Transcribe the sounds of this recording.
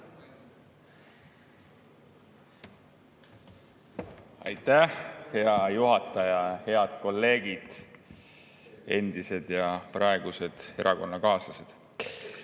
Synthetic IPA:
ɑ̰jt̪ːˑæhhe̞ɑjuɦɑt̪ːˑɑjɑhe̞ɑd̪̥ko̞lːe̞ːɡid̪̥ | e̞nd̪̥ise̞d̪̥jɑprɑe̞ɡ̥use̞d̪̥e̞ɾʔɑko̞nːɑkɑːsɑsed̪̥

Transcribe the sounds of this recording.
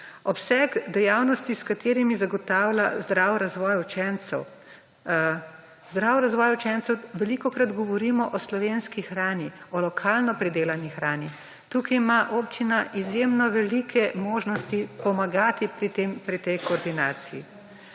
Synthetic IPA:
ɔpsɛɡd̪ɛjaːwnɔst̪iskat̪eːɾimizaɡɔt̪aːwlʲazd̪ɾaːwɾazʋɔːjut͡ʃɛnt̪sɛw | zd̪ɾaːwɾazʋɔːjaut͡ʃɛnt̪sɛwʋɛlikɔkɾad̪ɡɔʋɔɾiːmɔʔɔslɔʋenskixɾaːniɔlɔkʰaːlnɔpɾid̪eːlanixɾaːni | t̪uːkajmaʔopt͡ʃinaʔizjemnɔʋɛlikʰɛmoːʒnɔst̪ipɔmaɡaːt̪ipɾit̪empɾit̪ɛjkɔːɾd̪inaːt̪sijḭ

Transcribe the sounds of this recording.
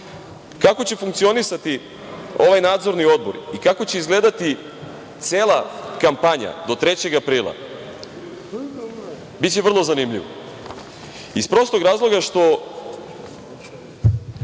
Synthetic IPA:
kako̞t͡ɕe̞fuŋkt̪sio̞nisat̪i | o̞ʋajnaːd̪zo̞ɾnio̞d̪̚bo̞ɾikako̞t͡ɕeizɡle̞d̪at̪i | t̪seːlˠakampaɲa̰d̪o̞t̪ɾe̞t͡ɕe̞ɡapɾiːlˠa̰ | bitt͡ɕeʋr̩lˠo̞zanimʎiʋo | ispɾo̞st̪oɡɾaːzlˠo̞ɡaʃt̪o̞

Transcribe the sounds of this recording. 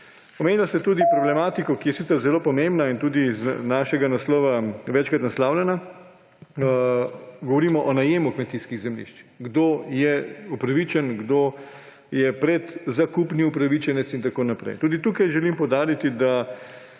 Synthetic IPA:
omeːnilasɛt̪uːd̪ipɾɔblɛmaːt̪ikɔkijɛsit̪səɾzɛloːpɔmembnaint̪uːd̪iznaʃɛɡanaslɔːʋaʋɛt͡ʃkɾat̪naslaːwlʲjɛna | ɡɔʋɔɾiːmɔʔɔnajeːmukmɛt̪iskiɣzɛmlḭʃt͡ʃɡd̪oːjɛupɾaʋit͡ʃɛnɡd̪oː | jɛpɾɛt̪zakupniupɾaʋit͡ʃɛnɛt̪sint̪akoːnapɾɛ̰jt̪uːd̪it̪uːkajʒɛlimpɔwd̪aːɾit̪id̪a

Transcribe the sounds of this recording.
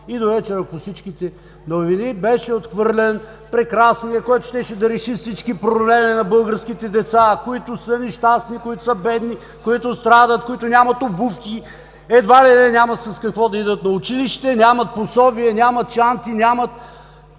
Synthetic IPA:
id̪ovɛt͡ʃɛɾɐkʊfsit͡ʃkʲit̪ɛ | novinibɛʃɛot̪xvɤɾlɛn | pɾɛkɾasnijəkoɔɛt̪ʊ̥ʃt̪ɛʃɛd̪ɐɾɛʃifsit͡ʃkipɾoblɛminɐbɤlˠɡəɾskʲit̪ɛd̪ɛt̪sakoit̪ʊsənɛʃt̪asnikoit̪ʊ̥sɐbɛd̪ni | koit̪ʊst̪ɾad̪ət̪̚koit̪ʊnʲamɐt̪obufkʲi | ɛd̪valinɛnʲamɐsɐskɐkvɔd̪ɐid̪ət̪nɐʊt͡ʃiliʃt̪ɛnʲamɐt̪̚posɔbiɛnʲamɐt̪t͡ʃant̪inʲamɐt̪

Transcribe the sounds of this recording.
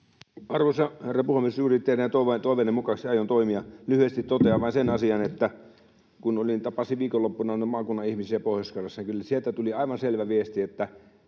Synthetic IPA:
ɑrʋosɑherːɑpuhemːessurit̪ːerinɑt̪oʋt̪oˑiʋenːemukɑksiɑjont̪oimiɑlyhyest̪it̪t̪ot̪eɑʋɑinsenɑsiɑnet̪ːæ | kunolint̪ɑpɑsiʋiːkolːopːunɑnmɑːkunːɑihmisiæpoˑhjoskɑrːɑsːɑnikylːæsielt̪æt̪uliɑiʋɑnselʋæʋiest̪iet̪ːæ

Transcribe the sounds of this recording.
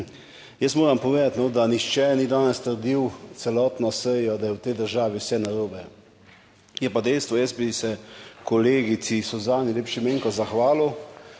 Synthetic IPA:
jəst̪moːɾampɔʋeːd̪at̪nɔd̪anixt͡ʃɛnid̪aːnɛst̪əɾd̪iwt̪sɛlɔːt̪nɔsəjɔd̪ajɛwt̪ɛjd̪əɾʒaːʋiwsɛnaɾoːbɛ | jɛpad̪ɛjst̪ʋɔjəsbisɛkɔleːɡit̪sisɔzaːnilʲeːpʃimeːŋkɔzaxʋaːlɔ

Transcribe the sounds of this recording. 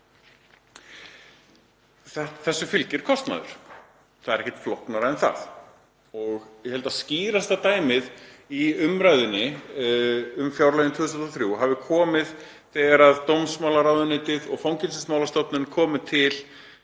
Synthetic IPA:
θθɛsːʏfʏlcɪɾ̥kʰɔst̪na̰ðʏ̰ɾ̥ | θaðɾɛhcɛ̥t̪flɔwhknaɾaɛnθa̰ð | ɔɣjɛhɛlt̪asciːɾast̪at̪aːjmɪðiʏmɾajðɪnːɪ | ʏmfjawɾlaɣɪnt̪ʰʏːðst̪ʰːθɾjuɦavɪkʰɔːmɪð | θɛːɣaɾaðt̪ownsmawlaɾawðʏnɪːt̪ɪðɔɣfawŋcɪnsɪsmawlast̪ɔpnɪnkʰɔːmɪt̪ʰɪl

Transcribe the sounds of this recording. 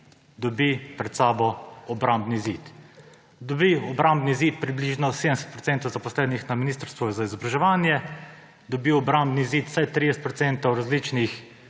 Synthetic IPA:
d̪ɔbipɾɛt̪saːbɔɔbɾambnizit̪ | d̪ɔbiɔbɾambnizit̪̚pɾibliʒnɔseːd̪əmsɛ̥t̪̚pɾɔt̪sɛːnt̪ɔwzapɔslɛːnixnaminist̪əɾst̪ʋɔzaizɔbɾaʒɛʋaːnjɛ | d̪ɔbiɔbɾambniziːt̪sajt̪ɾijɛsɛ̥t̪pɾɔtsɛnt̪ɔwɾazlit͡ʃnix

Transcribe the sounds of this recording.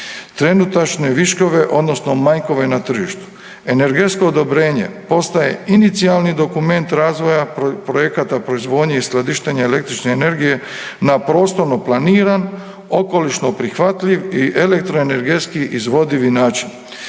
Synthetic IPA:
t̪ɾe̞nut̪at͡ʃne̞ʋiʃko̞ʋe̞ʔo̞d̪no̞sno̞maɲko̞ʋe̞nat̪r̩ʒiʃt̪u̥ | e̞ne̞ɾɡe̞t̪sko̞ːd̪o̞bɾe̞ːɲe̞̰po̞st̪aje̞̰init̪sialnid̪o̞kume̞nt̪ɾaːzʋo̞japɾo̞je̞kat̪apɾo̞izʋo̞ːd̪ɲeisklad̪iʃt̪eɲaele̞k̚t̪ɾit͡ʃne̞ːne̞ɾɡije̞ | napɾo̞ːst̪o̞ɾno̞planiːɾan | o̞ko̞liʃno̞pɾixʋat̪ʎiʋiʔele̞k̚t̪ɾoene̞ɾɡe̞t̪skiʔizʋo̞d̪iʋinaːt͡ʃin

